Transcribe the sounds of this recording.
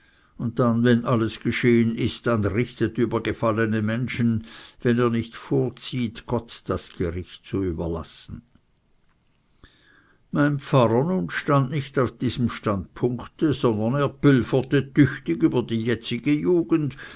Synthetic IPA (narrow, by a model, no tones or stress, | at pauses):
ʊnt̚danvɛnʔaləsɡ̥əʃeːənɪstd̥anʁɪçtətyːbɐɡəfalənəmɛnʃn̩vɛneːɐnɪçtfoːɐt͡siːtɡ̥ɔtd̥asɡ̥əʁɪçt̚t͡suyːbɐla̰sn̩ | maɪnpfp͡faʁɐnuːnʃtandnɪçtaʊfd̥iːz̥əmʃtandpʰʊŋktəzɔndɐneːɐb̥ʏlfətətʰʏçtɪɡyːbɐdiːjɛt͡sɪɡəjuːɡ̥ənd